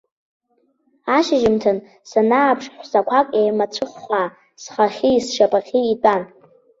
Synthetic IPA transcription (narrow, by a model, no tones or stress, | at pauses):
aʃaʒɪmtʰɨn | sanaːpʰʂħʷsakʷʰakʼejmat͡ɕʷʰɨχːʷaː | sχaχʲiisʃapʼaχʲiːtʼan